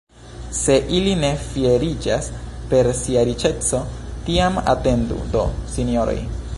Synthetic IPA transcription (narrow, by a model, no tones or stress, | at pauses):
se̞ʔiline̞fieɾid͡ʒaspe̞ɾsiaɾit͡ʃe̞t͡so̞tiama̰te̞ndṵdo̞sinio̞ɾo̰j